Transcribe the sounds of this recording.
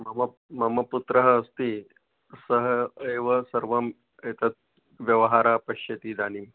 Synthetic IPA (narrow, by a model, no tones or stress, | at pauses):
mɐmɐ | mɐmɐput̪ɾəɦɐːst̪i | səɦəeːʋəsɐɾʋɐm | et̪ɐt̪̚ | ʋjɐʋɦaːɾapɐʃjɐt̪iːd̪aːnim